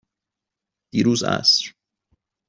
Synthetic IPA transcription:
d̪̥iːɾuːzæ̰sɾ

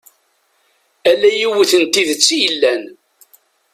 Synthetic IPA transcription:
ælːæjiwiθənt̪iðət͡sːilːæn

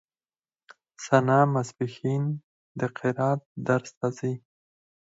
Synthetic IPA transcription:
sanɑmasbɪxin | d̪əqʰɪɾɑd̪̚d̪aɾst̪azi

